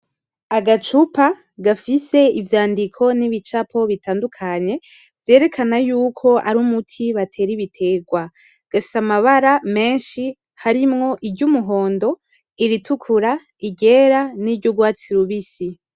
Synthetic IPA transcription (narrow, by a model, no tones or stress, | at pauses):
aɡat͡ʃupa | ɡafise̞ivjaːndikʰo̞niβit͡ʃapʰo̞βitaːndukʰaɲe̞ | vje̞ːɾe̞kʰanajuːkʰo̞aɾumutʰiβatʰe̞ːɾiβitʰe̞ːɡwa | ɡ̥afi̥samaβaɾame̞ːnʃi | haɾimŋo̞ʔiɾɟumuɦo̞ːndo̞ | iɾitʰukʰuɾa | iɟe̞ːɾaniɾɟoɡwaːt͡siɾuβisi